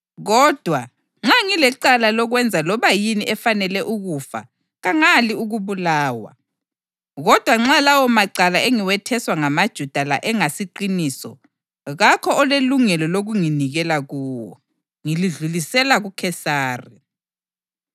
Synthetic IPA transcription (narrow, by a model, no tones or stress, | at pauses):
ɣɔd̥ʱwa | ŋ͡ǁaŋilɛǃalalɔɣwɛnd͡zʱalɔβajiniʔɛfanɛlɛʔuɣufa̰ | ɣaŋaliuɣuβulaːwa̰ | ɣɔd̥ʱwaŋ͡ǁalawɔmaǀalaeŋiwɛtʰɛswaŋamad̥ʒ̥ʱud̥ʱala̰ʔɛŋasiǃinisɔ̰ | ɣakʰɔɔleluŋɛlɔloɣuŋiniɣɛlaɣuːwɔ̰ | ŋiliɮulisɛlaɣukʰɛsaːri